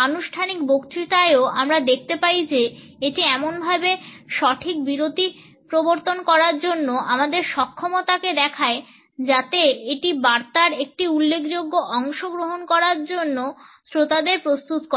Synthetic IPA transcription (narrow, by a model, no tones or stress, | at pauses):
anuʃʈʰanik̚bokt̪ɾit̪aeoamɾad̪ekʰt̪epaid͡ʑe | eʈiɛmonbʱabeʃɔʈʰik̚biɾot̪i | pɾoboɾt̪onkɔɾaɾd͡ʑonːoʔamad̪eɾʃɔkʰːɔmot̪aked̪ɛkʰae | d͡ʑat̪eeʈibaɾt̪aɾek̚ʈiulːekʰd͡ʑoɡːoʔɔŋʃoɡɾoɦonkɔɾaɾd͡ʑonːosɾot̪ad̪eɾpɾost̪ut̪ko